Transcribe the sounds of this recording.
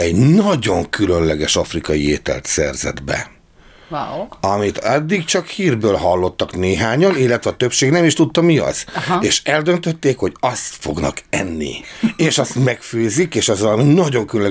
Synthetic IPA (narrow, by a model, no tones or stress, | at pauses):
ɛɟnɒɟo̞ŋkylø̞nlɛɡɛʃɒfrikɒjieːt̪ɛ̰lt̪sɛ̰rzɛ̰d̪bɛ̰ | ɒmit̪ɒd̪ːikt͡ʃɒkhiːrbøːlɦɒlːo̞t̪ːɒkneːɦaːɲɒnilːɛt̪ʋɛɒt̪ø̞pʃeːɡnɛmiʃt̪ut̪ːɒmiɒ̰z̥eːʃɛld̪ø̞nt̪øt̪ːeːkho̞ɟɒst̪fo̞̰ɡnɒ̰kɛ̰nːḭeːʃɒst̪mɛkføːzikeːʃɒzɒlminɒɟo̞ŋkylønlɛ